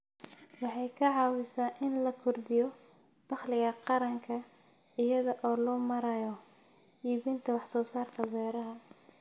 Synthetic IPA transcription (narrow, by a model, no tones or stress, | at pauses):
wɑħɑjkʰɐʕɑwɪsaːʔɪnlɐkʰʊrd̪ɪjɔd̥ɑχlɪɣɐqɑɾɐŋkʰɐɪjɐðɐʔɔːlɔːmɐɾɐjɔjiːðiːnt̪ʰɐwɑħsɔːsaːrk̪ʰɐɡaːɾɐɦɐ